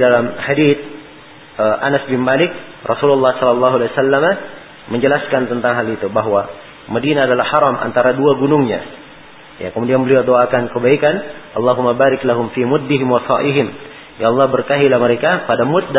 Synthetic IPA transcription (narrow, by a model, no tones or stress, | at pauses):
dalamhadit̪̚ | əʔanasbɪnmalɪk̚ | rʔɔsululːɑhsɔlɑlːɑɦualasalːama | məɲd͡ʒəlaskant̪ənt̪aŋɦalit̪ubaɦwa | madinaːdalahhaɾɑmʔa̰nt̪aɾaduaɡunʊŋɲa̰ | ja̰kəmudianbəliadoakankəbaikanʔɑlːɑɦumːabaɾɪklaɦʊmfimʊd̪ːɪɦɪmwɑsɑ̰ʔiɦɪm | jaɑlˠˤːɑhbərkaɦilaməɾekapadamʊt̪̚da